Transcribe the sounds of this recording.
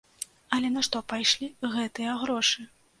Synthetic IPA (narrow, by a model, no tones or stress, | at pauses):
ɐlʲɛnaʂt̪ɔpajʂlʲiɣɛt̪ɨjɐɣɾɔʂɨ